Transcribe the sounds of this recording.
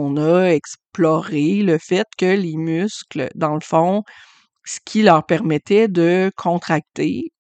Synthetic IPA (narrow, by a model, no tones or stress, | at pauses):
ɔ̃nʌɛksplɔʁeləfɛt̪̚kʲəlemyskld̪ɑ̃ləfɔ̃ | sə̥kʲʰilœːʁpɛʁmɛt̪ɛd̪əkʰɔ̃t̪χak̚t̪e